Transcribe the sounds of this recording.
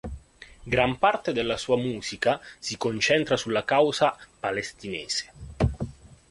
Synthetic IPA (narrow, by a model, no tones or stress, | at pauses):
ɡɾampart̪ed̪elːasuːamuːzikasikont͡ʃɛnt̪ɾasulːakawzapalest̪ineːse̥